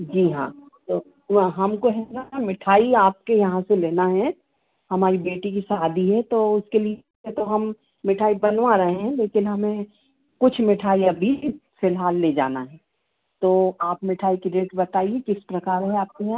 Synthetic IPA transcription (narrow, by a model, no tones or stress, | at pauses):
d͡ʒiːɦã̰ː | t̪oː | ɦɐmkoɦɛɾat̪ʰamɪʈʰaːiaːp̚kejɐɦãseleːnaɦɛ | hɐmaːɾibeːʈikisaːd̪iɦɛ̃t̪oʊskeli | et̪oɦɐmː | ɪʈʰaːibɐnʋaɾɐɦeɦɛ̃leːkɪnɦɐmẽ | kʊt͡ʃʰmɪʈʰaːiɐbʱifɪlɦaːlːed͡ʒa̰ːnaɦɛː | t̪oːaːpmɪʈʰaːikiɖeːʈsbɐt̪aːiekɪspɾɐkaːɾɦɛaːp̚kojã